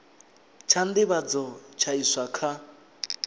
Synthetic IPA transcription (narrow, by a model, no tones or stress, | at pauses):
t͡ʃʰand̪ɪβad͡zɔt͡ʃʰaiswakʰa